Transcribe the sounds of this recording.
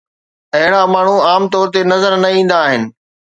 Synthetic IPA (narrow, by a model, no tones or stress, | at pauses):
ɐɦɪɽ̃amaːɳ̤uaːmt̪ɔːɾt̪̬enɐzəɾnɐĩːn̆d̪aːɦɪnɪ̆